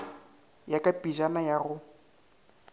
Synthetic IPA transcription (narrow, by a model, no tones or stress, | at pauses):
jakʼapʼiʒanajaɣʊ